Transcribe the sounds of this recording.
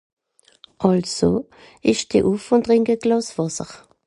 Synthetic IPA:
ʔɑlsoː | ɪʃd̥ḭʔufʊntʁɪŋɡəɡ̥lɑːsvɑsə̰ʁ

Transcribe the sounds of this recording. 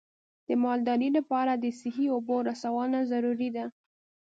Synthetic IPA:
d̪̥əmɑld̪ɑɾilapɑɾad̪əsɪhioboɾasawɑnazaɾuɾid̪a

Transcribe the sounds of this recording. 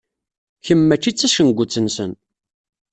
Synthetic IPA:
çəmːæt͡ʃːit͡sːæʃənɡʷːʊt͡sːənsən

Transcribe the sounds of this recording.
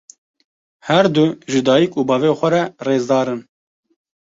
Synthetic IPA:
hɛɾd̪uʒɨd̪ɑːjikuːbɑːveːxʷɛɾɛreːzd̪ɑːɾɨn

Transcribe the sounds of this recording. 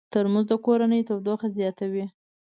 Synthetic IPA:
t̪əɾmuzd̪əkoɾanəjt̪əwd̪oxazjɑt̪awi

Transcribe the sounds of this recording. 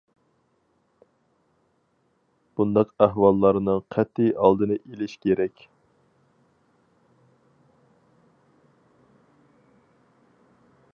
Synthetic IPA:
b̥und̪ɑqæhwɑlˠːɑɾnɨŋqʰɛt̪ːijɑlˠd̪ɨnɨʔelɪʃkʲʰeɾɛkʲ

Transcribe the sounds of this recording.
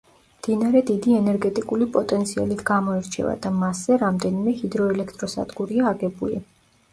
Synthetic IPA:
md̪̥inaɾɛd̪id̪iɛnɛɾɡɛt̪ʼikʼulipʼɔt̪ʼɛnt̪sʰia̰lit̪ʰɡamɔiɾt͡ʃʰɛ̰va̰d̪amasɛɾamd̪ɛnimɛhid̪ɾɔɛlɛkʰt̪ʼɾɔsa̰d̪ɡuɾiaːɡɛbulḭ

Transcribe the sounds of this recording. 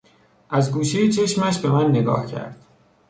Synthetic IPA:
ʔæzɡuːʃejet͡ʃʰe̞ʃmæʃbe̞mænːe̞ɡɒ̰ːhcʰæ̰ɾd̪̥

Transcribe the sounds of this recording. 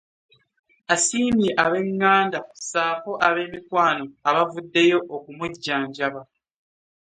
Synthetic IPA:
asiːmiʔaβe̞ŋːaːndasaːfo̞ʔaβe̞ːmikwaːno̞aβavudːe̞jo̞ʔokumuɟːaːɲɟaβa

